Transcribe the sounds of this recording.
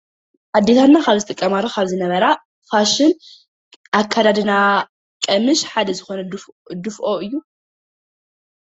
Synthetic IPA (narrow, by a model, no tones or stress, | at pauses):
ħad̪ːet̪ʰanːakʰaβzɨt̪ʼɨkʼːɐmalːo̞kʰaβzɨnɐβɐɾa | faʃɪn | ʔakʰːad̪ad̪ɨna | kʼɐmɨʃħad̪ɐzɨxo̞nɐd̪ɨfʔo̞ɨjːu